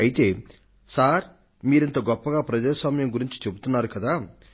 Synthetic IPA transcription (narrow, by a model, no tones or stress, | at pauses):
ɐjit̪e̞ː | saːɾ | miːɾent̪oːɡɔpːɐɡaːpɾɐd͡ʒaːsʋaːmɐjɐmɡuɾiɲt͡ʃi̥t͡ʃe̞but̪unːaːɾukɐd̪aː